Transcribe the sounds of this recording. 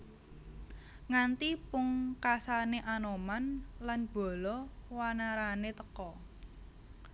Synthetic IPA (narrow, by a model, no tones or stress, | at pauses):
ŋant̪ipʊŋkasaneʔanomanlanb̥ɔ̤lɔwanaɾanet̪əkɔ